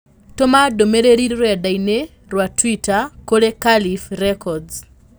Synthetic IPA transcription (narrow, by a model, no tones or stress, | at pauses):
tomadomeɾeɾiɾɾadaine | ɾwatwitakoɾekalifrɛkʰɔdz